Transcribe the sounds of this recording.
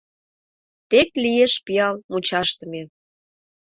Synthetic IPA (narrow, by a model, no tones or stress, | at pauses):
t̪eklieʃpiɑlmut͡ɕɑʃt̪əme